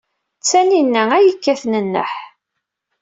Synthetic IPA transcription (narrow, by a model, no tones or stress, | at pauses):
t͡sːæninːææjəkːæθnənːə̰ħ